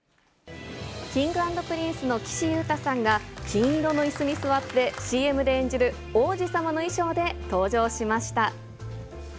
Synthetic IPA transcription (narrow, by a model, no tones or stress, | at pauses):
kʲĩŋɡɯ̟ãnd̪o̞pɯ̟ɾʲĩɰ̃sɨno̞kʲi̥ɕijɯ̟ːt̪asãŋɡakʲĩɰ̃iɾo̞no̞isɨɲ̟isɨβat̪ːe̞ɕiːe̞mɯ̟d̪e̞ẽɲ̟d͡ʑiɾɯ̟ | o̞ːʑisamano̞iɕo̞ːd̪e̞t̪o̞ːʑo̞ːɕimaɕi̥t̪a